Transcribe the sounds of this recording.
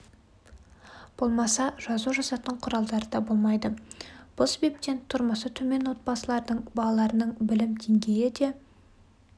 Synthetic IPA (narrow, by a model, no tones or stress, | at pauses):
b̥o̞lˠmɑsɑʒɑzuʒɑsɑt̪əɴqʰʊɾɑlˠd̪ɑɾəd̪ɑbo̞lˠmɑjd̪əb̥ʊlˠsebe̞p̚t̪e̞nt̪ʰʊɾməsət̪ʰɵme̞nwo̞t̪̚bɑsəlˠɑɾd̪əɴbɑlˠɑlˠɑɾənəɴbɪlɪmd̪ʰe̞ŋɡʲe̞jɪd̪e̞